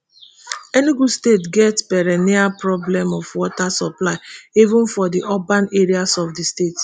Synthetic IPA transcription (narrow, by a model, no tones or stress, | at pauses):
ɛniɡudstetɡɛtpɛɹɛniapɹɔblɛ̃mɔfwɔtasɔplaɪivũnfɔdiʔopãneɹiasɔfdistet